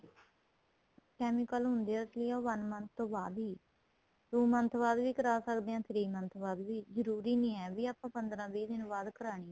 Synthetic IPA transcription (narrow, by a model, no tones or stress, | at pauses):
kɛːmɪkəlɦʊnd̪eːəsliːaːʋənmənsʰt̪õːbaːd̪ɦiː | t̪ũːmənt̪ʰʋaːd̪ʋiːkəɾaːsəkd̪eːãːt̪ʰɪɾiːmənt̪ʰʋaːd̪ʋiːzəɾuːɾiːnĩːɛːʋiːaːpãːpənd̪ɾãːbiːd̪ɪnːbaːd̪kəɾaːɽ̃iː